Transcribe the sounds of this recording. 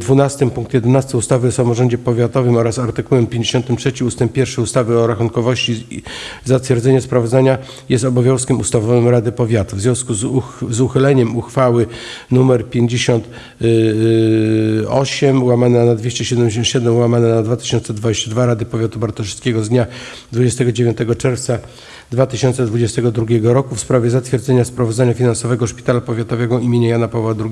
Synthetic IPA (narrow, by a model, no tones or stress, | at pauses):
d̪vunast̪ɘmpuŋkt̪jɛd̪ɛnast̪ɘust̪avɘɔsamɔʐɔɲd͡ʑɛpɔvʲjat̪ɔvɘmɔɾasaɾt̪ɘkuwɛmpʲjeɲd͡ʑeɕɔnt̪ɘmtʂɛt͡ɕiust̪ɛmppʲjɛɾfʂɘust̪avɘɔɾaxuŋkɔvɔɕt͡ɕizat̪fʲjɛɾd̪zɛɲɛspɾavɔd̪zaɲa | jɛst̪ɔbɔvʲjɔ̃w̃skʲɛmust̪avɔvɘmɾad̪ɘpɔvʲjat̪uvzjɔ̃w̃skuzzuxɘlɛɲɛmuxfawɘnumɛɾpʲjeɲd͡ʑeɕɔnt̪ | ɔɕɛmwamanɛnad̪vʲjeɕt͡ɕɛɕɛd̪ɛmd͡ʑeɕ̬ɔnt̪ɕɛd̪ɛmwamanɛnad̪vat̪ɘ̥ɕɔnsɛd̪vad͡ʑeɕt͡ɕad̪vaɾad̪ɘpɔvʲjat̪ubaɾt̪ɔʂɘ̥skʲɛɡɔzd̪ɲa | d̪vud͡ʑɛst̪ɛɡɔd͡ʑevʲjɔnt̪ɛɡɔt͡ʂɛɾft̪sa | d̪vat̪ɘɕɔnt̪sɛd̪vud͡ʑɛst̪ɛɡɔd̪ɾuɡʲjɛɡɔɾɔkufspɾavʲjɛzat̪fʲjɛɾd̪zɛɲaspɾavɔd̪aɲafʲinansɔvɛɡɔʂpʲit̪alapɔvʲjat̪ɔvɛɡɔimʲjeɲajanapavwad̪ɾuɡʲ